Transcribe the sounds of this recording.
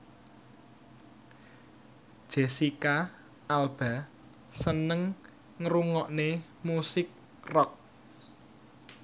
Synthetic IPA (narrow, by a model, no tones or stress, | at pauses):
d̥ʒ̥e̤sika | alb̥a̤ | sənəŋː | ɾuŋɔʔne | musɪk̚ | rɔk̚